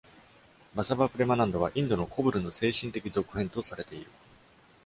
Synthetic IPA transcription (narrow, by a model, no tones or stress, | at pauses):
basabapɯ̟ɾe̞manãnd̪o̞β̞aʔĩnd̪o̞no̞kʰo̞bɯ̟ɾɯ̟no̞se̞ːɕĩnt̪e̞kʲizo̞kɯ̟hẽ̞nt̪osaɾe̞t̪e̞iɾɯ̟